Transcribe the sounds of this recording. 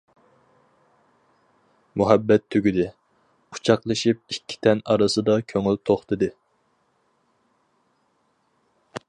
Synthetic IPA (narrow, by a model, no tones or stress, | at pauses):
muɦɛbːɛt̪ʰːyɡʲyd̪ɪ | qʰʊ̥t͡ʃʰɑqlˠɨʃip̚ikʲʰːi̥t̪ʰɛnɑɾɨsɨd̪ɑkʲʰøŋylt̪ʰoχt̪ɨd̪ɨ